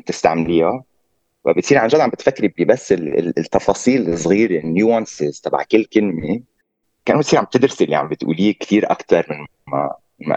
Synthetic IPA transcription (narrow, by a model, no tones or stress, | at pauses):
t̪ɪst̪a̰ʕmliːa | wa̰bɪt̪siːɾʕanʒad̪ʕambɪt̪fakːɾibibasːɪl̰t̪ːɑfɑsˤiːlsˤɣiːɾenjuɑ̃nsɪzt̪ˤɑbʕkɪlːkɪlme | kaʔɪnːobt̪siːɾʕamb̚t̪ɪd̪ɾɪsʔɪlːiʕa̰mbɪt̪ʔṵːliːkt̪iːɾʔa̰kt̪ɑɾˤmɪn | a | ma̰